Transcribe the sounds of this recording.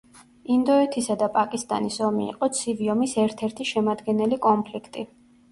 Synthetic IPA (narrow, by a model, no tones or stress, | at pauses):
ind̪ɔɛt̪ʰisad̪apʼakʼist̪ʼa̰nisɔmḭːqʼɔt̪sʰiviɔmisɛɾt̪ʰɛɾt̪ʰiʃɛmad̪ɡɛnɛlikʼɔmpʰlikʰt̪ʼi